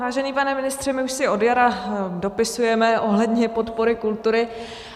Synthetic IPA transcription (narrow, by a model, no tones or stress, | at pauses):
vaːʒɛniːpanɛmɪnɪst̪r̥ɛmɪuʃsɪo̞djaɾado̞pɪsujɛmɛʔo̞ɦlɛdɲɛpo̞t̪po̞ɾɪkult̪uɾɪ